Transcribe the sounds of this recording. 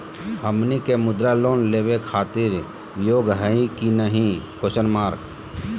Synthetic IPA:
ɦəmnikemʊd̪ɾaloːnleːwekʰaːt̪ɪɾ | joːɡɦəĩkinəɦĩkosənmaːɾk

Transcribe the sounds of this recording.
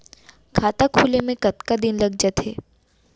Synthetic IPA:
kʰaːt̪akʰuːlemẽkɐt̪kad̪ɪnlɐɡ̚d͡ʒat̪ɦḛː

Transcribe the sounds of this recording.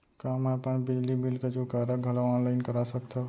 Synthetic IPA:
kaːmɛpənbɪd͡ʒlimilked͡ʒokaɾəɡʱɐlaʋaːnlaɪnkəɾasəkt̪ʰa

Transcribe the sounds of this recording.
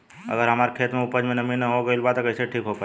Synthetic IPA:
ɐ̰ɡəɾɦɐmaːɾekʰeːt̪mẽʊpəd͡ʒmẽnɐminəɦoɡəɪlbat̪okɐɪseʈʰiːkɦopa

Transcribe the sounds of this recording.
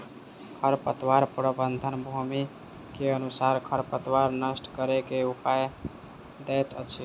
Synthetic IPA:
kʰəɾpət̪waɾpɾəbənd̪ʱənbʱumi | keənusaɾkʰəɾpət̪waɾnəsʈkəɾekeupaj | d̪ɛjt̪ət͡ʃʰi

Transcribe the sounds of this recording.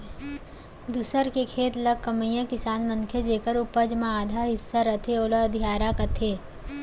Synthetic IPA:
d̪usəɾkekʰeːt̪lɐkɐməjãkɪsaːnmɐ̃ŋkʰed͡ʒeːkəɾʊpəd͡ʒmãaːd̪ʱaːɦɪsːaɾɐt̪ʰeoːlɐd̪ʱijaːɾakɐt̪ʰeː

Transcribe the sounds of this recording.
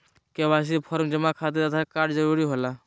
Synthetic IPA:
kebas̬ipʰɔɾmd͡ʒemãkʰat̪̬et̪ət̪ʰakaːʈd͡ʒəɾuɾiɦola

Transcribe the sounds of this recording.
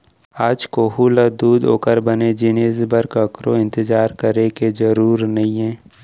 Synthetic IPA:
aːd͡ʒkoɦulad̪uːd̪o̰ːkəɾbəned͡ʒɪneːsbəɾkəkɾoɪ̃nt̪ɪd͡ʒaːɾkəɾekezəɾuːɾnɐɦĩɦɛ̃ː

